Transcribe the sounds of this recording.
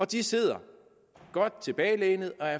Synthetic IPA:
ɒ̽d̥ise̝ð̞̰ˠɐ | ɡ̥ɒ̽d̥̚t͡sʰe̝b̥ɛːɪleːnð̩ˠɒ̽æɐ

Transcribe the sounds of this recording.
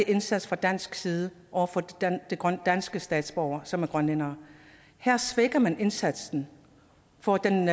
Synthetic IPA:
eʔe̝nsæd̥sfʁɑ̈d̥æn̰sɡ̥siːð̞ˠə | ʔɒʊ̰ɐfɒd̥e̝ɡ̥d̥æn̰sɡ̥əsd̥ɛ̰ːd̥sb̥ɒʊ̰ɐsɒ̽mæɐɡ̥ʁɶnlenɐː | hæɐ̰sʋeɡ̥ɐmæne̝nsæd̥sn̩ | fɒ̽d̥en

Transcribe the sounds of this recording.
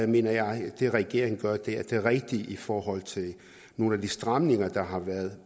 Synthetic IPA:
me̝ːnɐjɑ̈ɪd̥e̝ʁɛɡ̥e̝̰ɐ̰eŋn̩ɡ̥ɶɐd̥ed̥e̝ʁɛɡ̥̚d̥iʔifɒːɦɒ̽l̰t͡sʰe̝l | no̝ːn̩æd̥isd̥ʁɑmne̝ŋɐd̥ɑ̈ɦɑ̈ʋæːɐð̞ˠ

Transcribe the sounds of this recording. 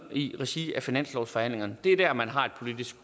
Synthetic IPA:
iʁɛɕiæfinæn̰slɒʊsfɒ̽hæn̰le̝ŋɐnəd̥e̝æd̥æɐmænɦɑ̈e̝d̥pʰo̝lid̥isɡ̥

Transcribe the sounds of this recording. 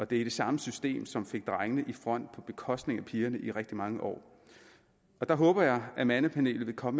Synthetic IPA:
ɒ̽d̥e̝æd̥e̝sɑ̈məsysd̥e̝̰ːmsɒ̽mfe̝ɡ̥̚d̥ʁɑ̈ŋənəʔifʁɒ̽n̰d̥̚pʰɒ̽b̥e̝kʰɒ̽sd̥ne̝ŋæpʰiːɐnəʔiʁɛɡ̥̚d̥imɑ̈ŋəʔɒ̰ː | ɒ̽d̥ɑ̈ɦɔ̽ːb̥ɐjɑ̈ɪʔæmænəpʰæne̝̰ːlð̩ʋe̝kʰɒ̽mə

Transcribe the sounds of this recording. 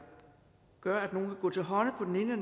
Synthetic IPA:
ɡ̥ɶɐ̰æd̥no̝ːn̩kʰæɡ̥ɔ̰̽ːt͡sʰe̝lɦɒ̽nəpʰɒ̽d̥ene̝nən

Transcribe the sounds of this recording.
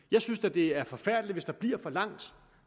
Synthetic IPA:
jɑ̈ɪsynsæd̥e̝æɐfɒ̽fæɐ̰d̥liʋe̝sd̥ɑ̈b̥liɐ̰fɒ̽lɑ̈ŋ̰d̥

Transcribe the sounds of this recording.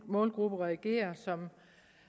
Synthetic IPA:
mɔ̽ːlɡ̥ʁub̥əʁɛːɡ̥e̝̰ːɐsɒ̽m

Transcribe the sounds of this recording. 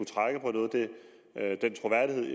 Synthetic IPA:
ut͡sʰʁaɡ̥əpʰɒ̽nɔ̽ːð̞̩ˠd̥e̝ | d̥ent͡sʰʁo̝ʋæɐ̰d̥iɦe̝ð̰ˠ

